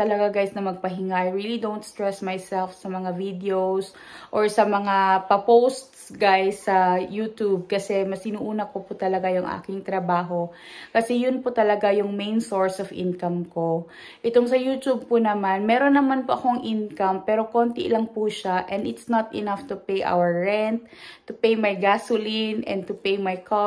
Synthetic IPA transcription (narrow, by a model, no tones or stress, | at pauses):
t̪ɐlɐɡaɡajsnɐmɐɡ̚pɐɦɪŋaʔjɹiːlid̪ow̃nt̪st̪ɹɛsmajsɛlfsɐmɐŋavid̪ɛows | ʔoɹsɐmɐŋapɐpowst̪sɡajsːɐjuːt̪ub̚kɐsɛmɐsɪnuʔuːnɐkopʊt̪ɐlɐɡajʊŋʔa̰ːkɪŋt̪ɾɐbaːɦo̞kɐsɛjʊnpʊt̪ɐlɐɡajʊŋmejnsoɹsɔvʔɪ̰nkɐmko | ʔɪt̪oŋsɐjuːt̪ub̚pʊnɐmanmɛːɾo̞nːɐmanpoʔɐkoŋʔɪnkɐmpɛːɾoko̞nt̪ɪ̰lɐŋpuʃaʔɛ̃nd̪ɪt̪snɐt̪ɪnaft̪ʊpejʔa̰wɛɹːɛnt̪̚ː | ʊpejmajɡasʊlinʔɛ̰̃n̚t̪ʊpejmajkʰɔ